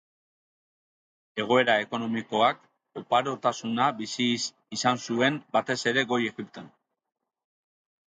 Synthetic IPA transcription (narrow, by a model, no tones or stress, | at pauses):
e̞ɣ̞o̞e̞ɾae̞ko̞no̞miko̞ak | opaɾo̞t̪asunabisis | isansue̞mbat̪e̞se̞ɾe̞ɣo̞je̞ɣipt̪o̞n